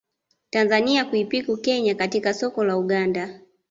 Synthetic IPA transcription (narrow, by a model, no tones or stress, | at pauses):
tanzaniakuipikukɛɲakatikasɔkɔlauɡanda